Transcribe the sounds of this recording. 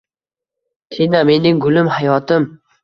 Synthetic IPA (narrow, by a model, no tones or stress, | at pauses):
t̪ʰename̞nɪŋɡʊlɪmhajɒt̪ɪm